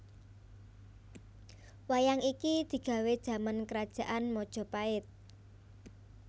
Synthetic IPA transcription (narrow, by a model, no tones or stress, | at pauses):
wajaŋikid̪̥i̤ɡ̥ä̤wed̥ʒ̥ä̤mankəɾad̥ʒ̥ä̤ʔanmɔd̥ʒ̥ɔ̤paɪt̪̚